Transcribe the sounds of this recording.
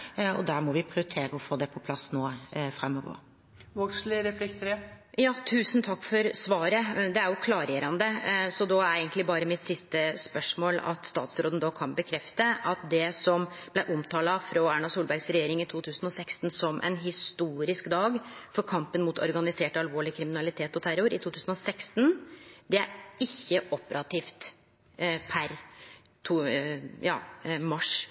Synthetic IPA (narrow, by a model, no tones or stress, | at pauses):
ɔ̰d̪æɾmɔʋɪpʰɾɪt̪ʰeːɾəɔfoːd̪ɛpʰɔpʰlɑsːnoːfɾɛmːɔʋɔ̰ɾ | ʋɔkslɪɾɛflɪkt̪əɾəjɑːt̪ʰʉːsənt̪ʰɑkːfɔɾsʋɑːɾəd̪ɛæɾjʊkʰlɑːɾjeːɾɑnd̪əsɔd̪ɔææɪɡənt̪lɪbɑːɾəmɪt̪sɪst̪əspœʂmoːlɑ̰t̪st̪ɑ̰ːt̪sɾoːd̪ənəd̪ɑkʰɑnbəkʰɾɛft̪əʔɑt̪̚d̪ɛsɔmb̥læɪʔʊmt̪ʰɑːlɑfɾoːæɳɑsuːlbæɾɡsɾɛjeːɾɪŋɪt̪ʰuːt̪ʰʉːsən̩ɔsɛkst̪n̩sɔmʔɛ̰nɦɪst̪uːɾɪskd̪ɑːɡfɔɾkʰɑmpənmut̪ʰɔ̰ɾɡɑnɪseːʈɑlʋoːɭɪkʰɾɪmɪnɑlɪt̪ʰeːt̪ɔt̪ʰæɾʊɾɪt̪ʰuːt̪ʰʉːsən̩ɔsɛkst̪nd̪ɛæ̰ɾɪçːəʔɔpəɾɑt̪ʰiːft̪ | pʰæɾ | t̪ʰujɑ̰ːmɑʂ